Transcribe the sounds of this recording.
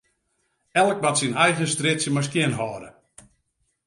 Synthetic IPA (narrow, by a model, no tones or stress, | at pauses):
ɛlˠək̚matsinɛjɣənstrɪtsjəmas̬kjɪnɦɔːɾə̰